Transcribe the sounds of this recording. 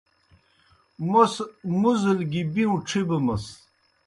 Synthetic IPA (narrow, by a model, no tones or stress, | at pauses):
mosmuzilɡibiũʈ͡ʂʰibəmɐs